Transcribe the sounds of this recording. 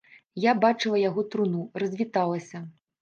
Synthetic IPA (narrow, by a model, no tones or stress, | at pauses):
jabat͡ʂɨlˠɐjaɣɔt̪ɾunurɐzʲvʲit̪alˠɐsʲɐ